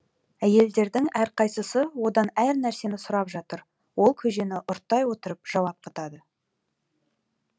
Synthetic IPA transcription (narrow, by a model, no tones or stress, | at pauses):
æje̞ld̪e̞ɾd̪ɪŋæɾqʰɑjsəsəwo̞d̪ɑnæɾnæɾse̞nɪsʊɾɑpʒɑt̪əɾ | wo̞lˠkʲʰɵʒe̞nɪʔʊɾt̪ːɑjwo̞t̪əɾəpʒ̥ɑwɑp̚qʰɑt̪ɑd̪ə